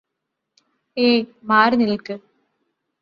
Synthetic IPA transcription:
eːmaːɾɨnilkɨ

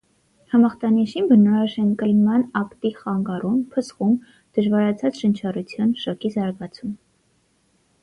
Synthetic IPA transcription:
hɑmɑχt̪ɑniʃimbənɔɾɑʃɛnkəlmɑnɑkt̪iχɑŋɡɑrumpʰəsχum | d̪̥əʒvɑɾɑt͡sʰɑt͡sʃənt͡ʃʰɑrut͡sʰjɑnʃɑkizɑɾɡɑt͡sʰum

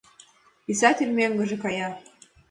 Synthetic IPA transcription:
pisɑt̪ʲelʲmeŋɡɤ̆ʒĕkɑjɑ

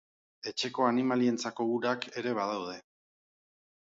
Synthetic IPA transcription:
e̞t͡ʃe̞ko̞animalie̞nt͡sako̞βuɾake̞ɾe̞βaðawð̞e̞

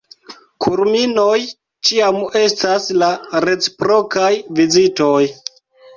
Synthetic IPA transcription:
kʰuɾminoj | t͡ʃiame̞staslaɾe̞t͡si̥pɾo̞kajvizito̞j

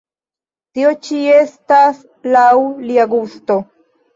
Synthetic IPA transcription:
t̪iot͡ʃiest̪as | lawliaɡust̪o

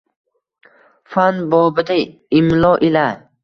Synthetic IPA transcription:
fanbɔbəd̪a | imlɔʔila

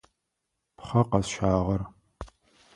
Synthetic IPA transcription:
pχɐqɐzʃaːʁɐr

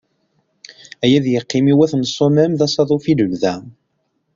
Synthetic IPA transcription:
æjæðjəqːimiwæθnəsˤːomæmðæsˤɑðˤofiləlðæ

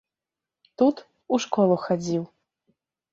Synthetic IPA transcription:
t̪ut̪ | uʂkɔlˠuxad͡zʲiw

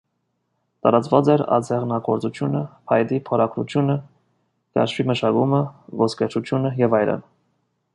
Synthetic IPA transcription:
t̪ɑɾɑt͡svɑt͡sɛɾɑ̰d͡zɛʁnɑɡɔɾt͡sut͡sʰjunəpʰɑjd̪ipʰɔɾɑkɾṵt͡sʰjunə | k̪ɑ̰ɾʃviməʃɑkuməvɔskɛt͡ʃʰut͡sʰjunəjɛvɑjɾə̰n

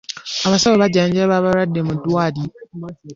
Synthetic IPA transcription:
aβasabobad͡ʒad͡ʒɛbaːbaɾadːemʊ̃dʊadi

